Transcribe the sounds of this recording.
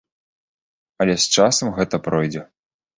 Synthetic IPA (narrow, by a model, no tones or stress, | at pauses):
ɐlʲɛst͡ʂasɐmɣɛt̪ɐpɾɔjd͡zʲɛ